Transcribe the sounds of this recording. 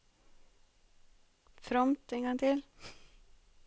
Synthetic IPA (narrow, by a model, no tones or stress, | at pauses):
fɾɔmt̪eːnŋɡɑŋt̪ʰɪl